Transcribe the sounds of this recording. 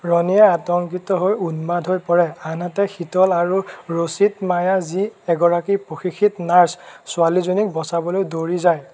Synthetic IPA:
ɹɔnijɛatɔŋk̬itɔɦojunmadʱɦojpɔɹɛanatɛxitɔlaɹuɹositmajaziɛɡɔɹakipoxixʰitnaɹssʊalizonik̚bɔsabɔlojdoɹizaj

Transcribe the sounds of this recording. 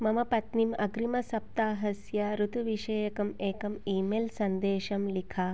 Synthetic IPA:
mɐmɐpɐt̪nimɐɡɾimɐsɐp̚t̪aːɦɐsjɐɾut̪uʋiʃeːjɐkɐmeːkɐmiːmeːlsɐnd̪eːʃɐmlikʰaː

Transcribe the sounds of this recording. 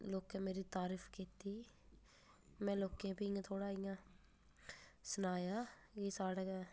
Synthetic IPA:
loːkẽːmeːɾiːt̪aːɾiːfʰkiːt̪iː | mɛ̃ːloːkẽːpiɪjãːt̪ʰoːɽaːɪjãː | sənaːjaː | jeːsaːɽaːɛ

